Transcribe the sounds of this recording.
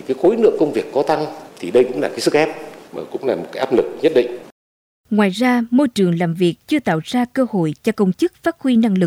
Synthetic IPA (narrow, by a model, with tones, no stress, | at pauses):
kaː˨˦xo˨˦jnɨ̰˧˨əŋkə˧wŋ͡mvi˨˩əkːɔ˨˦t̪a˧ŋt̪ʰi˨˩ɗə˧jkʊ̰˧˥ŋ͡mlaː˨˩kaː˨˦jsɨ˦˥k̚xɛ˦˥p̚məː˨˩kʊ̰˧˥ŋ͡mlaː˨˩mo˨˩kaː˨˦jʔaː˦˥p̚lɨ˨˩k̚ɲə˦˥t̚ɗḭ˧˨ŋ̟ | ŋwaː˧˨jzaː˧mo˧jt͡ɕɨ˨˩əŋlaː˨˩mvi˨˩ək̚t͡ɕɨ˧ət̪a̰ː˧˨wz̥aː˧kəː˧ho̰˧˨jt͡ɕɔ˧kə˧wŋ͡mt͡ɕɨ˦˥k̚faː˦˥t̚xwi˧na˧ŋlɨ˨˩k̚